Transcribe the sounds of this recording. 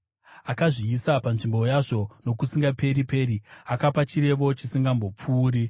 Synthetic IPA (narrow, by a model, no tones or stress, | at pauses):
akaʐiːsapanʐimbo̞jaʐo̞no̞kusiŋɡape̞ɾipe̞ːɾiakapat͡ʃiɾe̞ʋo̞t͡ʃisiŋɡambo̞p͡fuːɾi